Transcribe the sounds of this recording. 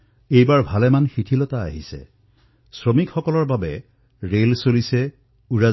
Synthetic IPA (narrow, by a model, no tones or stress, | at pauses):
ejbaɹbʱalɛmanxitʰilɔta̰ːɦisɛ̰ | sɹomikxɔkɔlɔɹbabɛ | ɹelsolisɛ | uɹa